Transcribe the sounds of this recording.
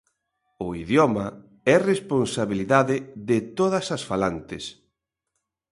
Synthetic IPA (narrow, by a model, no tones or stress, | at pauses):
ʊiðjɔmɐ | ɛresponsaβiliðaðɪðɪt̪oð̞ɐsɐsfalant̪ɪs